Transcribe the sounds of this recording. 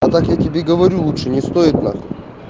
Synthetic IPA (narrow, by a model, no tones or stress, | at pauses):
ɐt̪akjatʲɪbʲeɡəvɐɾʲulˠut̪ʂɨnʲɪst̪oɪt̪na̰k